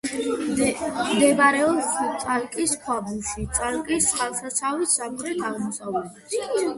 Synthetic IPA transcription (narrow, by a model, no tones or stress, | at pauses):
md̪ɛbaɾɛɔst̪sʼalkʼiskʰwabuʃit̪sʼalkʼisχalˠsat̪sʰawisːamɾɛt̪ʰaʁmɔsavlɛd̪ɛsi